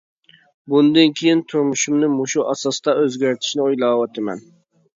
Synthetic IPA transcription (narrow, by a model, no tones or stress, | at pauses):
bund̪ɨnkʲʰejɪnt̪ʰʊɾmuʃumnɪmʊʃuʔɑsɑst̪ɑʔøzɡʲæɾt̪ʰɪ̥ʃnɪojlˠɑwɑt̪ʰɪmɛ̰n